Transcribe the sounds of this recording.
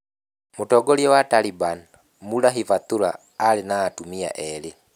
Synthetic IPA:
mutɔɡɔljɛwataliban | mulaɦivat̪ula̰ː | linaːtumia̰ʔɛli

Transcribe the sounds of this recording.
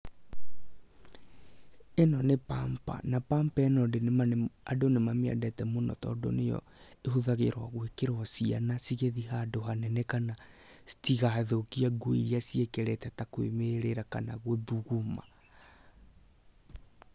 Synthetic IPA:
enɔnepampa̰napampɛnɔdenmaadonemamea̰dɛtɛmonɔ̰tɔ̰do̰nejɔ̰ | ehuðaɣeɾwaɣwekeɾwasianasiɣeðiɦadoɦanɛnɛkanasi̥tiɣaðokiaɡoḭɾiasiekɛɾɛtɛtakwḛmeɾeɾaka̰na̰ɣweðuɣuma̰

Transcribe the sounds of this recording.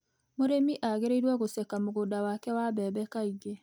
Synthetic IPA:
moɾemiʔaɣeɾeiɾwɔɣosɛkamoɣoːdawakɛwabɛːbɛkaiɡe

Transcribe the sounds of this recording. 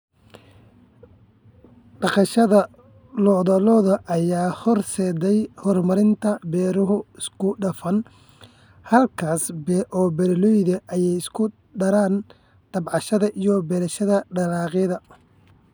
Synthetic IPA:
ɖɑqɑʃɐðɐ | lɔðɐlɔːðɐʔɐjaːhɔrsɛːd̪ɛjhɔrmɐɾɪnt̪ʰɐbɛːɾʊɦʊɪskʰʊɖɐfɐn | hɐlkʰaːsbʔɔːbɛɾlɔjðɐʔɐjɛjɪskʰʊ | ɖɐɾaːn | ɖ̪̥ɐbʕɑʃɐðɐʔijɔbɛlɐʃɐðɐɖɐlɑːqɪðɐ

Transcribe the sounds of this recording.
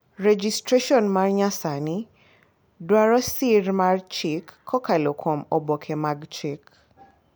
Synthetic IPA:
red͡ʒistɾeʃɔnmarɲasanɪ | dwaɾɔsɪrmart͡ʃɪkʰːɔkalokʰomɔbokʰemaɡt͡ʃik

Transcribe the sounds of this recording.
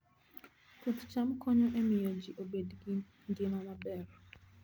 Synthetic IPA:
kot̪t͡ʃamkɔɲɔʔemɪjɔd͡ʒiʔobedɡi | ndjemamabɛɾɔ

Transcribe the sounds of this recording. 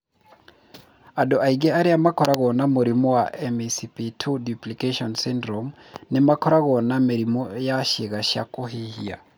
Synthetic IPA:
adɔʔaiɣɛaɾiamakʰɔɾaɣɔnamoɾimɔwaʔɛmɛsipitʰuduplikaʃɔnsindɾɔm | nɛmakʰɔɾaɣɔnameɾimɔjaʃeɣaʃa̰koɦihia̰

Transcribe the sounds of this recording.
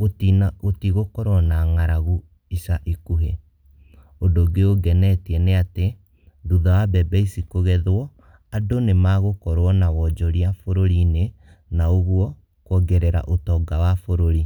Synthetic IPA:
otinaotiɣokɔɾwɔnaŋaɾaɣu | isaʔikuɦe | ondoɡeoɡɛnɛtiɛneate | duðawabɛbɛisikoɣɛðwɔ | adonemaɣokɔɾwɔnawɔd͡ʒɔɾiafoɾoɾine | naoɣwɔ | kɔɡɛɾeɾa̰ʔotɔɡawafoɾoɾi

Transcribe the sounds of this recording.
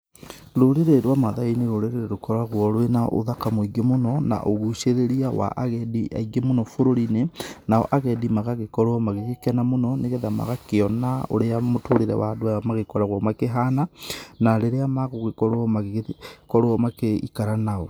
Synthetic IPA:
ɾoɾeɾeɾwamaðaineɾoɾeɾeɾeɾokɔɾwaɣwɔɾwena̰ʔo̰ðakamoiɡemonɔna̰ʔoɣuʃeɾeɾiawa̰ʔaɣɛdiʔa̰iɡemonɔfoɾoɾinenaɔ̰ʔaɣɛdimaɣaɣekɔɾwɔmaɣeɣekɛnamonɔneɣɛðama̰ɣakeɔnao̰ɾeamotʰoɾeɾɛ̰wadoaamaɣekɔɾaɣwɔmakeɦananaɾeɾeamaɣoɣekɔɾoɔmaɣekɔɾoɔmakeḭkaɾanaɔ

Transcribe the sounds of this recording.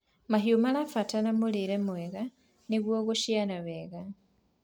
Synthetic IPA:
maɦjumalafatanamuliɾemweɣa | niɣwoːɣuʃjanaβeːɣa

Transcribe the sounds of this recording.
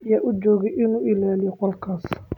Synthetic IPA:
jaʔʊd͡ʒɔːɣɛʔɪnuːʔɪlaːlɪjɔqɔlkʰaːs

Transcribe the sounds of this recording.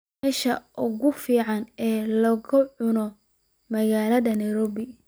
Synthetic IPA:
ɛːʃɐʔʊɣʊfiːʕɑnɛːlɐɣʊʕʊnɔ | mɐɣaːlɐðɐnɛjɾɔːβɪ

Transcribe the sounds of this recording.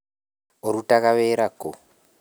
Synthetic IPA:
oɾutakaβeːɾako

